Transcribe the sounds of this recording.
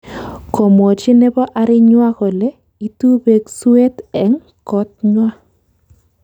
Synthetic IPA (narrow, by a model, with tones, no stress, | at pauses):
ko˨mo˨t͡ʃɪ˦nɛ˦bɔ˦ʔa˨ɾɪ˦ɲwa˦kɔ˨le˦ | i˨tu˦be˨ɡswe˦tɛ˨ŋ | kɔ˦t̚ɲwa˦